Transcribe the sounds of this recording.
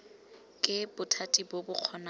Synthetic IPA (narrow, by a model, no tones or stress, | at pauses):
kʼɪbʊtʰatʼibobʊq͡χʰɔna